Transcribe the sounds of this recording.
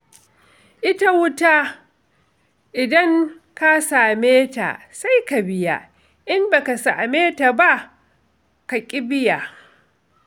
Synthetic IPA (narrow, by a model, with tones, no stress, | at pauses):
ʔɪ˦ta˦wʊ˦ta˦ | ʔɪ˨dɐ˦ŋ | ka˦saː˨meː˦ta̰˨ | sa˦jka˨bɪ˦ja̰˨ | ʔɪ˦mba˨ka˨saː˨meː˦ta˨ba˦ʔ | ka˨kʲʼɪ˦bɪ˦ja˨